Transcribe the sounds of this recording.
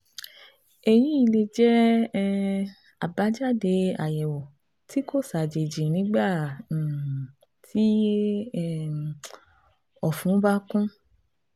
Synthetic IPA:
e˨jĩ˨˦i˧le˧d͡ʒɛ˦ | a˨ba˨˦d͡ʒa˦˨de˧a˨jɛ˨wɔ˨ | ti˦ko˦˨sa˨d͡ʒe˨d͡ʒi˨nĩ˨˦ɡ͡bã˦˨ | ti˦ | ɔ˨fũ˨˦ba˦kũ˦

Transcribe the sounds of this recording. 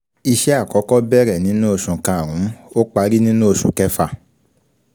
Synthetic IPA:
i˧ʃɛ˦a˦˨kɔ˨˦kɔ˦bɛ˦ɾɛ˦˨nĩ˨˦nũ˦o˧˨ʃũ˨kã˧˨ɾ̃ũ˨˦o˦k͡pa˧˦ɾi˦nĩ˦nũ˦o˧ʃũ˨kɛ˦fa˦˨

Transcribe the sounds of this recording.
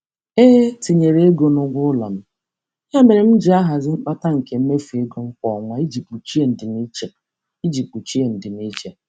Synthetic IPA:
e˦ti˨ɲe˨ɾe˦e˦ɡo˨nʊ˨ɡʷʊ˦la̰˨m̩˦ | ɲa˦me˨ɾɪ˨m̩˦d͡ʒi˦a˦ɦa˨zɪ˦ŋ͡m̩˦k͡pa˦ta˦ŋ̩˨ke˨m̩˦me˦fi˨e˦ɡo˨ŋ͡m̩˦kɔ˨ŋʷa˦i˦d͡ʒi˨k͡pu˨t͡ʃi˦e˨n̩˨dɪ˨mi˦t͡ʃe˨ | i˦d͡ʒi˨k͡pu˨t͡ʃi˦e˨n̩˨dɪ˨m˦i˦d͡ʒe˨

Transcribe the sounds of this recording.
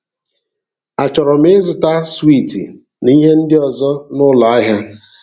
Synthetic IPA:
a˨t͡ʃɔ˨ɾɔ˨m̩˦ɪ˦zʊ˨ta˦swi˦˨tḭ˨ | ni˦ɦe˦n̩˦dɪ˦ɔ˨zɔ˦nʊ˦la˨a˦ɦja˦

